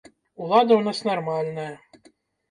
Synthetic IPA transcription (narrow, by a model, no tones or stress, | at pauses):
ulˠad̪ɐwnasnarmalʲnɐjɐ